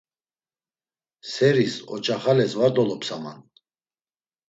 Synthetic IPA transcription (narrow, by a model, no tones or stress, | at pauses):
sɛɾisɔ̰t͡ʃʼaχalɛsvaɾd̪ɔlɔpsama̰n